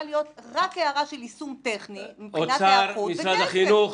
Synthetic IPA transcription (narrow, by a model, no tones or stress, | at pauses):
lijo̞t̪ʁakeaʁaʃelisumt̪eχnimipont͡sasaɾumisadaχinuχ